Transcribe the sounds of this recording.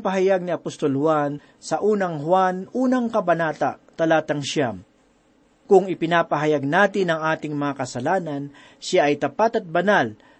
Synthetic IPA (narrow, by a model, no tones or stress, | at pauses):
pɐɦɐjaɡ̚nɪɐpost̪olhwan | sɐʔuːnɐŋhwanuːnɐŋkɐbɐnaːt̪at̪ɐlaːt̪ɐŋʃjam | kʊŋɪpɪnaːpɐɦɐjaɡ̚naːt̪ɪnɐŋʔaːt̪ɪŋmɐŋakɐsɐlaːnɐn | ʃaʔɐjt̪ɐpat̪ɐt̪̚bɐnal